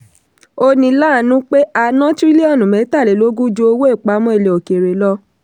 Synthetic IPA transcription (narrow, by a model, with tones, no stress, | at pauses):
o˧nĩ˧la˦˨nũ˦k͡pe˦a˧nã˦ti˦i˦le˦ɔ˦˨nũ˨mɛ̃˨˦ta˦˨le˨lo˦ɡu˦d͡ʒo˧˦o˧wo˦e˦˨k͡pa˨˦mɔ̃˧˦e˦˨le˨o˨ke˨ɾe˨lɔ˦